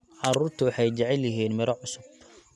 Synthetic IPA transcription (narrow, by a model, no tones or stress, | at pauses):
ʕɑɾuːrt̪ʰʊwɑħɑjt͡ʃɛʕɛljɐɦiːnmɪɾɔʕʊsʊb